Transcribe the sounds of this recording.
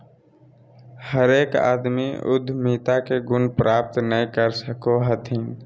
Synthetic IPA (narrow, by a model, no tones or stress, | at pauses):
həɾeːka̰ːd̪mḭʊ̰d̪ʱmiːt̪akeɡʊnpɾʔaːp̚t̪nəĩkəɾsəkoɦət̪ʰĩ